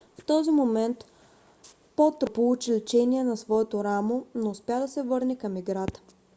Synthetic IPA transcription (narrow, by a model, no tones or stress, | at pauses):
ft̪ɔzimomɛnt̪ | pɔt̪opolˠut͡ʃilit͡ʃɛniɛnɐsvɔɛt̪oɾamonoːspʲjad̪ɐsɛvɤɾnɛkɐmiɡɾat̪ə̥